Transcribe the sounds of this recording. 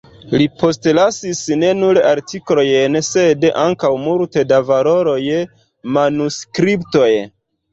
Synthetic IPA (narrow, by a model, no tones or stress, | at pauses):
lipʰo̞stlasisne̞nuɾaɾtʰiklo̞jense̞daŋkawmultedavalo̞ɾo̞j | manuskɾipto̞j